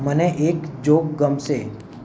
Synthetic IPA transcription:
məneʔeːkd͡ʒoːkɡəmse

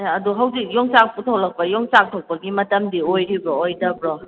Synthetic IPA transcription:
ɐduɦawzik̚jɔŋsak̚putʰawlɐk̚pɐjɔŋsak̚tʰowk̚pɐɡimɐtɐmdiojɾibɾɔːjdɐbɾɔ

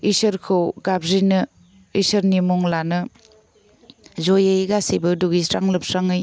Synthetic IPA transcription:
isɐɾkʰɯwɡabɾinɯ | isɐɾnimɔŋlanɯ | zojejɡasibɯduɡisɾaŋlɯp̚saŋɯj

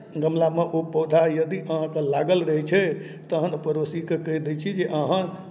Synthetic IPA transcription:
ɡəmlameʔopəd̪ʱajəd̪iʔəɦãkelaɡəlɾəɦɛt͡ʃʰɛ | t̪əɦənpəɾosikekəjd̪et͡ʃʰid͡ʒeʔəɦã

